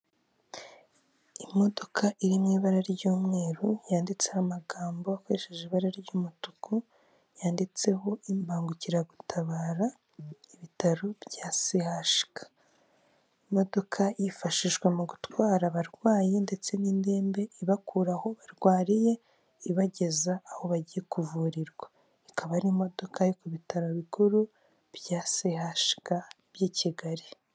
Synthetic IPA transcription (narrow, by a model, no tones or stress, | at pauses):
imo̞do̞kʰaʔiɾinŋiːβaɾaɾɟuːmŋe̞ːɾujaːndit͡sehamaɡaːmbo̞akoɾeʃeʒiβaɾaɾɟuːmutuku | jaːndit͡se̞ho̞ʔimbaːŋɡuciɾaɡutʰaβaːɾa | iβitaɾobjaːsihaʃi̥kḁ | imo̞do̞kʰajifaʃiʒɡwe̞muɡutwaːɾaβaɾɡwaːjende̞t͡se̞niːnde̞ːmbe̞iβakuɾaho̞βaɾɡwaːɾije̞ | iβaɟe̞zaːho̞βaɟije̞kuvuːɾiɾɡwa | ikʰaβaɾimo̞do̞kajokuβitaɾo̞βikuɾu | βjaːsihaʃi̥ka | β̥jiːciɡaɾi